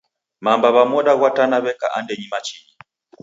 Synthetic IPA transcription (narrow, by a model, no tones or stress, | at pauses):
mambaβamɔɗaɣwatanaβɛka̰ʔandɛɲimat͡ʃiɲi